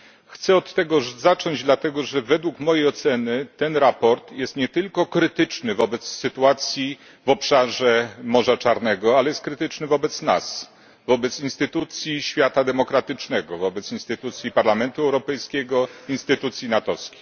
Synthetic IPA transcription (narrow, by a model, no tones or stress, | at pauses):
xt̪sɛɔt̪ːɛɡɔzat͡ʂɔɲd͡ʑd̪lat̪ɛɡɔʐɛvɛd̪wukmɔjɛjɔt̪sɛnɘt̪ɛnɾapɔɾt̪jɛst̪ɲɛt̪ɘlkɔkɾɘt̪ɘt͡ʂnɘvɔbɛt̪sːɘt̪uat̪sʲji | vɔpʂaʐɛmɔʐat͡ʂaɾnɛɡɔalɛjɛst̪̚kɾɘt̪ɘt͡ʂnɘvɔbɛt̪sna̰s | vɔbɛt̪sinst̪ɘt̪ut̪sʲjiɕfʲjat̪ad̪ɛmɔkɾat̪ɘt͡ʂnɛɡɔvɔbɛt̪sinst̪ɘt̪ut̪sʲjipaɾlamɛnt̪uɛwɾɔpɛjskʲɛɡɔinst̪ɘt̪ut̪sʲjinat̪ɔskʲi̥